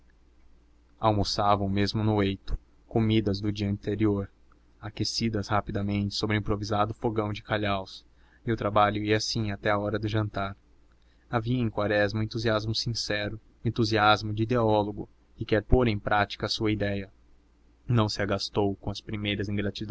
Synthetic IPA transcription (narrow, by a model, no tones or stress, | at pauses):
awmosavɐʊmezmʊnʊejt̪ʊ̥ | komid̪ɐzd̪ʊd͡ʒiɐɐ̃nt̪eɾioɾ | akesid̪ɐshapid̪ɐmẽnt͡ʃɪ̥sobɾɪĩpɾovizad̪ʊfoɡɐ̃w̃d͡ʒɪkaʎaws | eʊt̪ɾabaʎʊiɐsĩat̪ɛaɔɾɐd̪ʊʒɐ̃nt̪aɾ | aviɐẽj̃kwaɾɛzmɐʊẽnt̪uziazmʊsĩsɛɾʊ | ẽnt̪uziazmʊd͡ʒɪid̪eɔloɡʊ | ɪkɛɾpoɾẽj̃pɾʔat͡ʃi̥kɐːsuɐid̪ɛjɐ | nɐ̃w̃sɪaɡast̪owkõɐspɾimejɾɐzĩŋɡɾat͡ʃid̪